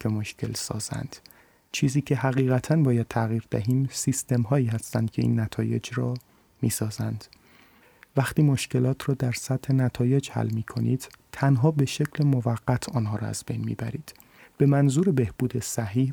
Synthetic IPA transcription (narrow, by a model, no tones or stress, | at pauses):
emoʃcʰe̞̰lsɒ̰ːz̥æ̰nd̪̥ | t͡ʃʰiːziːcʰe̞ɦæɣiːɣæt̪ʰænbɒːjæd̪̥̚t̪ʰæɣiːɾd̪æɦiːmsist̪e̞mɦɒːiːhæst̪ænd̪̚cʰe̞ḭːnːæt̪ʰɒːje̞̰d͡ʒɾɒː | miːsɒːzænd̪̥ | væxt̪iːmo̞ʃce̞lɒːt̪ʰrɒːd̪æɾsæt̪he̞næt̪ʰɒːje̞d͡ʒhæ̰lːmiːkʰoniːd̪̥t̪ʰænɦɒːbe̞ʃe̞cʰlemovæɣːæt̪ʰɒːnɦɒːɾɒ̰ːæ̰zbe̞̰jnmḭːbæɾiːd̪̥ | b̥e̞mænzuːɾebe̞hb̥uːd̪e̞sæɦiːh